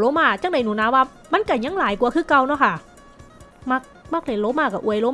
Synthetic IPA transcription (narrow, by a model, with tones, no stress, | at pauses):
loː˦˥maː˧˩t͡ɕa˧˥˨ŋda˨˦jnuː˨˦naː˧˦waː˧ | ma˧˥˨nka˧˩ɲa˧˦˥ŋlaː˨˦jku˧ɐkʰɯː˧˥˩ka˧wnɔ˧˥kʰa˧˥˩ | ma˧˩k̚ma˧˥˩k̚le˧˩nloː˨˦˥maː˧˩ka˧˩ʔu˧˩əjloː˧˦m˧